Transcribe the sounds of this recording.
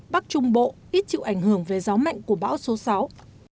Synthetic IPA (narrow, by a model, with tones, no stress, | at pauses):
ɓa˦˥k̚t͡ɕʊ˧ŋ͡mɓo̰˧˨ʔi˦˥t̚t͡ɕḭ˧˨ʔa˧˩ŋ̟hɨ˧˩əŋve˨˩za˨˦ma̰˧˨jŋ̟ku˧˩əɓa̰ː˧˥wso˨˦sa˨˦w